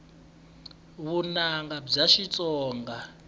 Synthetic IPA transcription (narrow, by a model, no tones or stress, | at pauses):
βunaŋɡab͡ʐaʃit͡sʼɔːŋɡa